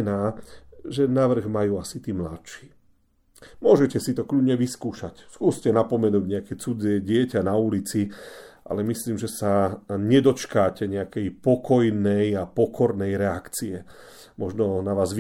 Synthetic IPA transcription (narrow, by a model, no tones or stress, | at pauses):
naːʒɛnaʋr̩ɣmajuːasit̪iːmlaʃi̥ː | mʊɔʒɛcɛsit̪ɔkʎudɲɛʋiskuːʃacskuːscɛnapɔmɛnuːɟɲɛakɛt͡sud͡zɪɛɟɪɛcanaulit͡siʔa̰lɛmisliːmʒɛsaɲɛd̪ɔt͡ʃkaːcɛɲɛakɛjpɔkɔjnɛjapɔkʰɔɾnɛjɾɛakt͡siɛ | mɔʒnɔnaʋaːzʋ